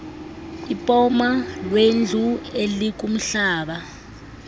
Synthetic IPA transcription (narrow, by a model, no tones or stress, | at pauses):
ipʼɔmalwend͡ɮʱuelik̬ʼum̩ɬaːɓa